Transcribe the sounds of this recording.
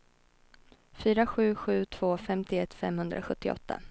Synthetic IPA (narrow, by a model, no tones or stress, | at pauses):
fyːɾaɧʉ̟ːɧʉ̟ːt̪ʰv̥oːfɛmt̪ʰɪɛt̪ːfɛmhɵnd̪ɾʔa̰ɧɵt̪ʰːɪɔ̰t̪ʰːa̰